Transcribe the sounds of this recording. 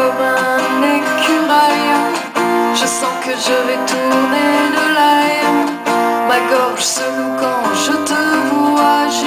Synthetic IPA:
ɔmɛ̃nekʰyʁajɛ̃ | ʒəsɑ̃kəʒəvɛt̪uʁned̪əlaɛ | maɡɔʁʒsəlukɑ̃ʒət̪əvuaʒ

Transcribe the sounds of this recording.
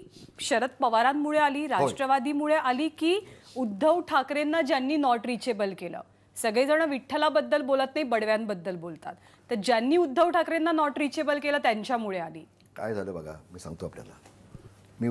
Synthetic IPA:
ɕəɾət̪pəʋaɾamːmuɭealiːɾaʈɾəʋad̪iːmuɭeʔaliːkiː | ud̪ʱːəʋʈʰakɾenːad͡ʑjanːiːnɔʈɾit͡ɕebəlkelə̰ː | səɡɭed͡zəɳəʋiʈʰːəlabəd̪ːəlbolət̪naibəɽʋjãnbəd̪ːəlbolt̪a̰t̪ːəɾd͡ʑjanːiːud̪ʱːəʋʈʰakɾenːanɔʈɾit͡ɕebəlkeləːt̪jaɲt͡ɕjamuɭealḭː | ka̰jd͡zʱaləbʱəɡʱa̰miːsa̰ŋɡt̪oaplja̰la | miː

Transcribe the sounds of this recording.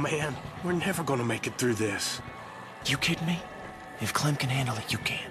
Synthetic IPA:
mæ̃nwəɹnɛvə˞ɡɑnəmeɪkɨt̪̚θɹʉðɪs | jɨkʰɪdⁿmi | ɨfkʰl̥ɛ̃mkɨ̃nhæ̃ndˡl̩ˠɨjɨkʰæ̃n

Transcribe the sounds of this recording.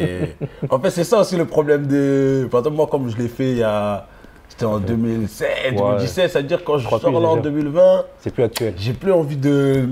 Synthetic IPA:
eɑ̃fɛt̪sɛsaosiləpχɔblɛmd̪əpaʁzɑ̃mwakɔmʒəlefɛa | se̥t̪ɛɑ̃d̪ømilsɛtd̪ømild̪isɛt̪sɛtad̪iʁkɑ̃ʒəʁəsɔʁlaɑ̃d̪ømilvɛ̃sɛplyak̚t̪ɥɛʒeplyɑ̃vid̪ə

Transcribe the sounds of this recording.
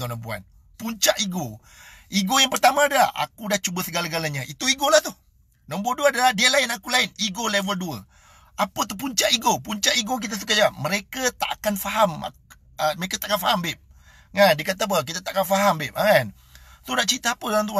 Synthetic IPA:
nə̃mpua̰n | puɲt͡ʃaʔiɡo | iɡojaŋpərt̪amãːdəlahʔa̰kudaht͡ʃubəsəɡalaɡalaɲãʔit̪uiɡolaht̪ʊh | nə̃mb̬uaduəadalahdiəlaɪnakulaɪniɡolevəlduə | apət̪up̬uɲt͡ʃaʔiɡopuɲt͡ʃaʔiɡok̬it̪̬as̬ukajaməɾekət̪a̰ʔkanfaɦama̰ | əməɾekat̪aʔkanfaɦambɪʔ̚ | ŋandiəkat̪ap̬ək̬it̪at̪aʔkanfaɦambɪʔakan | t̪ʊnaʔt͡ʃit̪əapədalamt̪̬ua

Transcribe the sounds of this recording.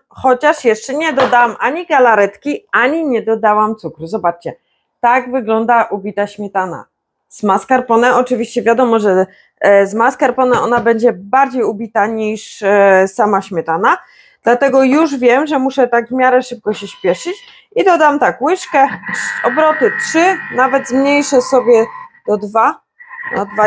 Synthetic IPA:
xɔt͡ɕaʂjɛʂt͡ʂɛɲɛd̪ɔd̪awamʔaɲiɡalaɾɛt̪kʲiaɲiɲɛd̪ɔd̪awamt̪sukɾuzɔbat͡ʂt͡ɕɛ | t̪aɡvɘɡlɔnd̪aʔubʲit̪aɕmʲjɛt̪ana̰ | zmaskaɾpɔnɛʔɔt͡ʂɘvʲiɕt͡ɕɛvʲjad̪ɔmɔʐɛ | zmaskaɾpɔnɛʔɔnabɛɲd͡ʑɛbaɾd͡ʑejubʲit̪aɲiʂsamaɕmʲjɛt̪ana | d̪̥lat̪ɛɡɔjuʐvʲjɛmʐɛmuʂɛt̪aɡvmʲjaɾɛʂɘp̚kɔɕɛɕpʲjɛʂɘt͡ɕ | id̪ɔd̪amt̪akwɘʂkɛɔbɾɔt̪ɘtʂɘnavɛd̪zmɲejʂɛsɔbʲjɛd̪̥ɔd̪va | nɔ̰d̪va

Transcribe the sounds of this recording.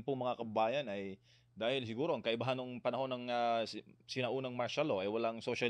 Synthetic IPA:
npʊŋmɐŋakɐbɐbaːjɐnɐj | d̪aːhɪls̬ɪɡuːɾo̞ʔɐŋkɐʔɪbaɦanːoŋpɐnɐho̞nːɐŋasɪnɐʔuːnɐŋmɐɾʃalo̞ʔɐjwɐlaŋsoʃa

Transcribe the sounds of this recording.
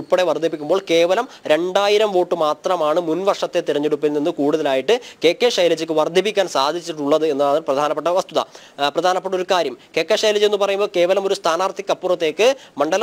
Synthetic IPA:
pːɐɽeʋɐrd̪ʱip̬ːikʲːumboːɭke̞ːʋɐlɐm | ɾe̞ɳɖaːjiɾɐmʋoːʈːɨmaːt̪rɐmaːɳɨmunʋɐrʂɐt̪ːe̞t̪iɾɐɲːeɽupːilninːɨkuːɽuðɐlaːjiʈːɨke̞ːkːeːʂɐjlɐd͡ʑɨkʲːɨʋɐrd̪ʱip̬ːikʲːaːnsaːd̪ʱit͡ɕːiʈːuɭːɐðɨe̞nːaðiprɐd̪ʱaːnɐpːeʈ̬ːɐʋɐst̪uðɐ̰ | prɐd̪ʱaːnɐpːɐʈːo̞ɾukaːɾjɐmke̞ːkːeːʂɐjlɐd͡ʑe̞nːɨpɐrɐjumboːɭke̞ːʋɐlɐmo̞ɾust̪ʰaːnaːrt̪ikʲːɐpːurɐt̪ːe̞ːkːɨmɐɳɖɐlɐ

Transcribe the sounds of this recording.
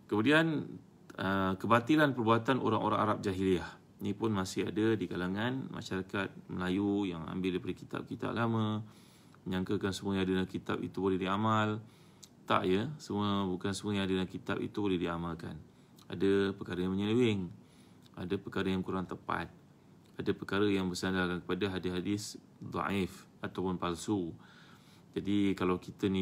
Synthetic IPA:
kəmudian | əkəbat̪ilanpərbuat̪anʔo̰ɾaŋo̰ɾa̰ŋa̰ɾap̚d͡ʒaɦiliah | nipʊnmãsɪha̰dədikalaŋãnma̰ʃaɾakat̪̚məlajujaŋa̰mbɪldipədikit̪a̰p̚kit̪a̰ʔ̚lamə̃ | məɲãŋkakansəmuəjadadlakit̪a̰pḭt̪ubolɛhdiamal | t̪a̰ʔjəsəmuəbukansəmuəjaŋadəlakit̪a̰pḭt̪ubolɛhdiamalka̰n | a̰dəpəkaɾəjaŋməɲəwɪŋ | adəpəkaɾəjaŋkuɾaŋt̪əpa̰t̪̚ | adəpəkaɾəjaŋbərsandakankə̥padaɦadɪɦadɪs | d̪ˤɑ̰ʔif | at̪awpʊnpalsu | d͡ʒadikalawkit̪əni

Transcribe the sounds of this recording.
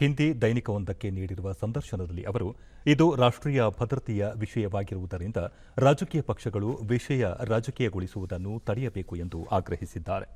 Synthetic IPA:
hind̪id̪ɐjnikɐʋond̪ɐkːe̞niːɽiɾuʋɐsɐnd̪ɐɾʃɐnɐd̪ɐlːiʔɐʋɐɾu | id̪uɾaːʂʈɾiːjɐbʱɐd̪ɾɐt̪ijɐʋiʂɐjɐʋaːɡiɾuʋud̪ɐɾind̪ɐ | ɾaːd͡ʒɐkiːjɐpɐkʂɐɡɐɭuʋiʂɐjɐɾaːd͡ʒɐkɛːjɐɡoɭisuʋud̪ɐnːut̪ɐɽɛjɐbe̞ːkue̞nd̪uʔaːɡɾɐɦisid̪ːaːɾe

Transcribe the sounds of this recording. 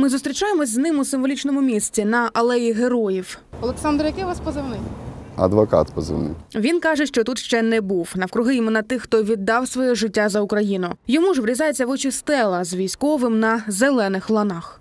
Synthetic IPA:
mɪzʊst̪ɾʲit͡ʃajemɔsʲznɪmʊsɪmʋɔlʲit͡ʃnɔmʊmʲisʲt͡sʲinɐʔɐlˠɛjiɦeɾɔjiwɔlˠeksɑnd̪ɾjɐkɪʋɑspɔzɪwnɪɐ̰d̪ʋɔkɑ̰t̪pɔzɪ̰wnɪ̰ʋʲinkɑʒɛʃt͡ʃɔt̪ut̪ʃt͡ʃɛnɛbuwnɐwkɾʊɦɪimenːɐt̪ɪxːt̪ɔʋʲid̪ːɑwsʋɔjɛʒɪtʲːazɐʊkɾɐjinʊjɔmuʒʋɾʲizɑjet͡sʲːɐʋɔt͡ʃɪst̪ɛlˠɐzʋʲijsʲkɔʋɪmnɐzelˠɛnɪxlˠɐnɑx

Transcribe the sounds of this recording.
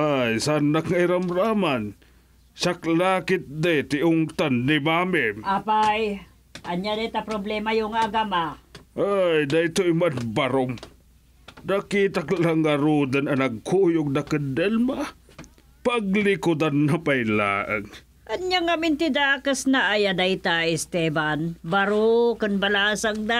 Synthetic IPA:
ʔajsaanːakŋaɪɾamɾaman | saklaːkɪt̪̚d̪ajt̪ɪʔʊŋt̪anːɪmamɪʔapaj | ʔɐnjad̪ajt̪apɾoblɛmajoŋaɡamaʔajd̪ajt̪oɪmanbaɾʊm | nakit̪aklaŋːaɾud̪ananaɡ̚kʰujʊɡ̚d̪akənd̪ɛlma | paɡlɪkʊd̪anːapajla̰ːʔaŋ | ʔanɲaŋamɪnt̪ɪd̪akasnaʔajad̪ajt̪aɪst̪ɛbanbaɾokʊnbalasaŋd̪a

